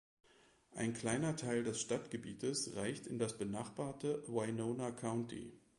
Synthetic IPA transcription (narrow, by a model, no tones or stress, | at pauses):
ʔa̰ɪnkl̥aɪnɐtʰaɪldɛsʃtatɡ̥əbḭːtəsʁaɪçtɪndasb̥ənaːχb̥aːɐtəwaɪnoːnakʰaʊntʰḭ